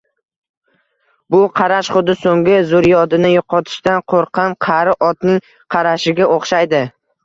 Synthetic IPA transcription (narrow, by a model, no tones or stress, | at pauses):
bʊqʰɑɾaʃχʊd̪ɪsoŋɡʲɪzʊɾjɒd̪ɪnɪjoqʰɒt̪ʰɪ̥ʃt̪anqʰoɾqʰɑmqʰɑɾɪʔɒt̪nɪŋ | qʰɑɾaʃɪɡʲaʔoχʃajd̪ɪ